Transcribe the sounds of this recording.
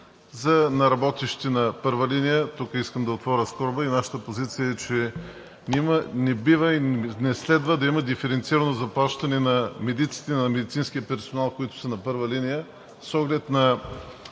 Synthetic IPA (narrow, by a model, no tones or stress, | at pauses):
zɐnɐɾɐbɔt̪ɛʃtt̪ɛnɐpɤɾvəlinijət̪ukəiskəmd̪ɐot̪vɔɾʲəskɔɾbəinaʃə̥t̪əpozit̪sijəɛt͡ʃɛ | imənɛbivəinɛslɛd̪vəd̪ɐiməd̪ifɛɾɛnt̪siɾɐnozɐplˠat͡ʃt̪ɐnɛnɐmɛd̪it̪si̥t̪ɛnɐmɛd̪it̪sinskiəpɛɾsonalˠkoit̪ʊ̥sənɐpɤɾvəlinijə | sɔɡlɛt̪nɐ